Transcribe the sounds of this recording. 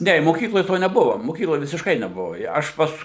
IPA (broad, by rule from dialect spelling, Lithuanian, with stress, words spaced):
ˈnʲɛ ɪ moːˈkʲiːklˠoːj ˈtoː nʲɛˈbʊʋoː moːˈkʲiːklˠoːj ʋʲɪsʲɪʃˈkɐɪ nʲɛˈbʊʋoː ˈjɛ ˈɐʃ ˈpɐs